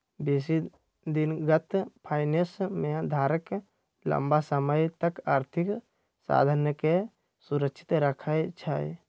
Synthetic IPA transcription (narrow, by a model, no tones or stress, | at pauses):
beːsi | d̪inɡət̪pʰaːɪnesmẽd̪ʱaːɾək | lə̰mbasəməjt̪əkaːɾt̪ʰik | sa̰ːd̪ʱənjəke | suɾəkʃʰɪ̥t̪ɾəkʰajt͡ʃʰaj